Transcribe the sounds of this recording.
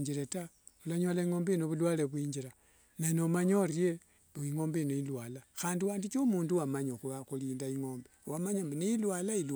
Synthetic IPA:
d͡ʒiɾeta | ulaɲolaiŋo̞ːmbeinoβulwaːle̞βwiːɲd͡ʒiɾa | nanomaɲorje̞ | iŋo̞ːmbeinoilwalaxaːndiwaːndit͡ʃomuːnduwamaɲoxuβaxuliːndaiŋoːmbewamaɲambineilwalail

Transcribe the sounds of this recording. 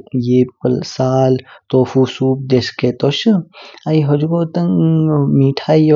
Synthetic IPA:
jeːpɐlsaːlt̪oːfuːsuːp̚d̪esket̪oʃɨaiɦod͡ʒɡoːt̪ɐŋmiːʈʰaːio

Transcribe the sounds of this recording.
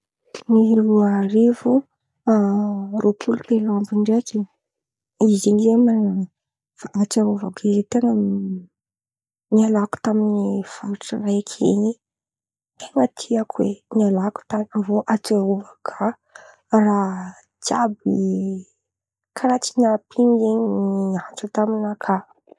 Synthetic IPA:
niluaɾivu | aropʰulut̪elambiɳɖ͡ʐeki | iziɲizeman | faʔat͡ʃauvaɡaizit̪eŋə | nialaku̥t̪aminifaɾʈ͡ʂəraakʰḛɲi | eŋat̪ʰiakʰwḛnialaku̥t̪aavoʔat͡sauvakʰa | ra | tjab̚i | kʰaɾat͡ʃinapʰiŋeɲniat͡sət̪aminakʰa

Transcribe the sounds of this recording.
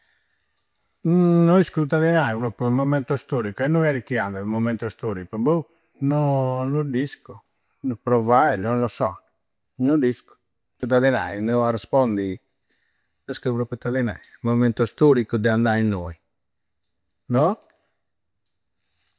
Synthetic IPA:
nɔiskut̪aðɛnaipɾopːɾumɔmɛnt̪ɔst̪oːɾikuɛnːojaɾikːiand̪ɛmɔmɛnt̪ɔst̪oːɾikumbu | nɔnud̪isku | nupɾɔvajlɔlɔsɔ̰ | nud̪isku̥ | ut̪̬ːaðɛna̰inɛarɛspɔnd̪i | oskupɾɔpɾut̪ːaðɛna̰imɔvimɛnt̪ɔst̪oɾikːud̪ɛand̪ainːoi | nɔ

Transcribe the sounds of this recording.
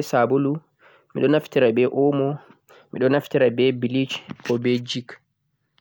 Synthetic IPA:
sabolu | miɗɔnaftiɾabɛʔɔmɔ | miɗɔnaftiɾabɛbilit͡ʃkɔbɛd͡ʒik

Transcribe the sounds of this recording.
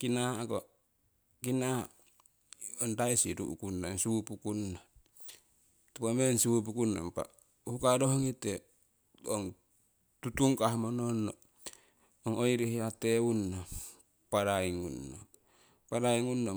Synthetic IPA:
kinako | kina | ondaisiɾṵʔṵkunːansupukunːa | tupamensiup̬ukunːo̰mpa̰ | uhukadoɦŋite | o̰ŋ | tutuŋkaɦmononːo | oŋojiɾihiateunːa | paɾaiŋunːo̰ | paɾaiŋunːo

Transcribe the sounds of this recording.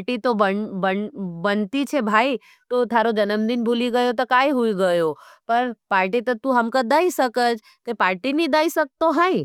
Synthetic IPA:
ʈit̪obənbənbɐnt̪it͡ʃʰebʱaːi | t̪ot̪ʰaːɾod͡ʒɐnəmd̪ɪnbʱuliɡɐjot̪ɐkaːiɦuiɡɐjopɐɾpaːɾʈit̪ɐt̪uɦɐmkad̪aːisɐkəd͡ʒ | k̪epaːɾʈinĩd̪aːisɐk̚t̪oɦãĩ

